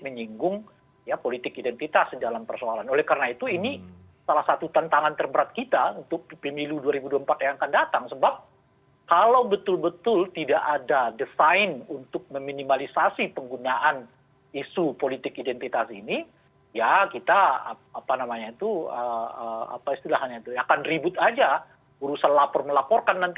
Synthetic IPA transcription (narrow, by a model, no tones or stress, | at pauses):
məɲiŋɡʊŋ | japolit̪ɪkidɛnt̪it̪asdalampərsoalanolɛhkarənait̪uini | salahsat̪ut̪ant̪aŋant̪ərbəɾat̪̚kit̪aunt̪ʊk̚pəmiluduaɾibuduaəmpat̪̚jaŋakandat̪aŋsəbap̚ | kalawbət̪ʊlbət̪ʊlt̪idaʔadadəfaɪnunt̪ʊk̚məminimalisasipəŋɡunaʔan | isupolit̪ɪkidɛnt̪it̪asini | jakit̪aa̰ | apanamaɲait̪uəəa̰paist̪ilaɦaɲait̪uakanribʊt̪ad͡ʒa | uɾusanlapɔrməlapɔrkanːant̪i